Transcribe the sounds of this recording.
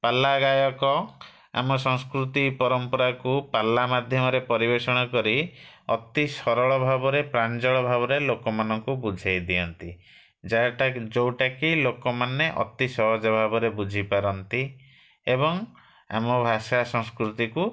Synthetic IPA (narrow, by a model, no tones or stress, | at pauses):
palːaɡajɔkɔ | a̰mɔsɔŋskɾut̪ipɔɾɔmpɔɾakupalːamad̪ʱjɔmɔɾepɔɾibesɔɽ̃ɔkɔɾi | ɔt̪isɔɾɔɭɔbʱabɔɾepɾand͡ʒɔɭɔbʱabɔɾelokɔmanɔŋkubud͡ʒʱajd̪iɔnt̪i | d͡ʒajʈad͡ʒowʈakilokɔmaneʔɔ̰t̪isɔɦɔd͡ʒɔbʱabɔɾebud͡ʒʱipaɾɔnt̪i | ebɔŋ | a̰mɔbʱasasɔŋskɾut̪iku